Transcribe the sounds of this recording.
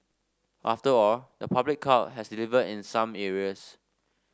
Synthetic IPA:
ʔaftəɔldəpʰablɪkʰːat̚ɦɛsdilivədĩnsãmɛɹiəs

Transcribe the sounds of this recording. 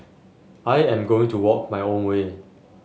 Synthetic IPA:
ʔajɛ̃mɡoɪ̃ŋtuwɔk̚majõnwe

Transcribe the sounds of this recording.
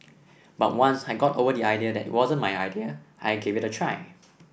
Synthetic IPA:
bat̚wãnsajɡɔto̰vədiajdiədɛ̰twɔzə̃nmajajdiəʔajɡevɪtətʰɹaɪ

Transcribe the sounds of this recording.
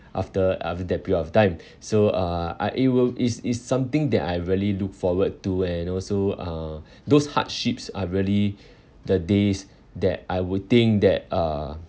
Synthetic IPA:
ʔa̰ftəa̰ftədɛt̚piɹidɔftãɪ̃m | soʌa̰ʔit̚wilisisːãmt̪ɪ̃ŋdɛtajɹiəliluk̚fɔwəd̚tuɛ̃nɔlsoʌ | dosha̰t̚ʃipsaɹiəli | dədes | dɛ̰t̚ajwud̚t̪ɪ̃ŋk̚d̪ɛt̚a

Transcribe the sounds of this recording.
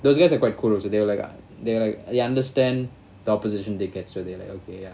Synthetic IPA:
d̪osɡajs̬akwajt̚kʰulɔk̚sed̪ewlajka̰ | d̪elajkeãndəstɛ̃n | d̪əɔpoziʃə̃ntiketsod̪elajkokʰeja

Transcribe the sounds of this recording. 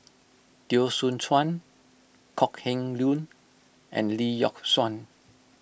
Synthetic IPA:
d̥iosũntʰwãn | kʰɔkhɛ̃ŋlũn | ʔɛ̰̃nlijɔ̰k̚swãn

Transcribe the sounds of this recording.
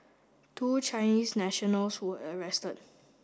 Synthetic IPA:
tʰuːt͡ʃaɪniːsnɛʃɔnəlswəʔəɹɛstəd̚

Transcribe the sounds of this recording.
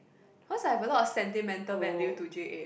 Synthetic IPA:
hɔsahɛvəlɔtɔsɛ̃ntimɛ̃ntəlvɛ̃nditud͡ʒeʔe

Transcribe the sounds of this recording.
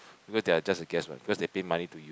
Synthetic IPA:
b̥ikɔsdɛad͡ʒasəɡɛswã̰nbikɔsdepẽmanituju

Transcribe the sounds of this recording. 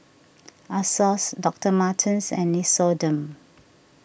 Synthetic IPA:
asɔsdɔk̚təmatʰĩnsɛ̰̃nːisɔdə̃m

